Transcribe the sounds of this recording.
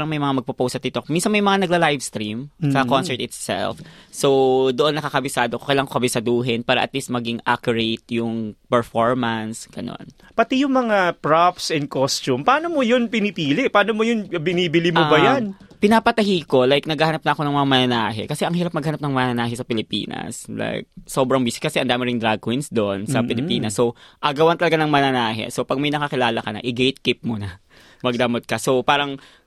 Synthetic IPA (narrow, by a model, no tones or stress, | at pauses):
ɾɐŋmɐjmɐŋamɐɡ̚pɐpowst̪ɐt̪ɪt̪okminsɐnŋmɐjmɐŋanɐɡlɐlajvst̪ɾimsɐɐkonsɛɹt̪ɪt̪sɛ̰lfso̞wd̪oʔo̞nːɐkakɐbɪsaːd̪okokɐjlaŋkokɐbɪsɐd̪uːɦɪnpaːɾɐ̰ʔɐ̰t̪list̪̚mɐɡiŋʔa̰kjʊɹejt̪̚jʊŋpɛɹfoɹmɐnsɡ̥ɐno̰n | pɐt̪ijʊŋmɐŋapɹapsɛnd̪̚kost͡ʃumpaːnomojonpɪnɪpiːlɪpaːnomojʊnbɪniːbɪlimobɐjan | pɪnaːpɐt̪ɐhiːko̞lajk̚nɐɡaːhanɐp̚nɐʔɐko̞nɐŋmɐŋamɐnɐnaːɦɛ̰kɐsɛʔɐŋhiɾɐp̚mɐɡ̚hanɐp̚nɐŋmɐnɐnaːɦɛsɐpɪlɪpḭːnɐ̰sla̰jk̚so̞ːbɾɐŋbiːsɪ̥kɐsɛʔɐnd̪aːmɪɾɪŋd̪ɾaɡ̚kwinsd̪oʔnsɐpɪlɪppiːnɐsːo̞ʔɐɡɐwɐnt̪ɐlɐɡanɐŋmɐnɐnaːɦɛ̰so̞pɐɡ̚mɐjnɐkɐkɪlaːlɐkɐnɐ̰ʔɪɡejt̪̚kip̚monɐ | mɐɡ̚d̪ɐmot̪̚kɐso̞paːɾɐŋ